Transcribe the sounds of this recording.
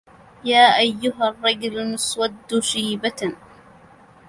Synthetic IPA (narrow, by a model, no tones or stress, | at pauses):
jaːʔajːʊɦarˤːɑd͡ʒʊlnʊswad̪ːʊʃiːbat̪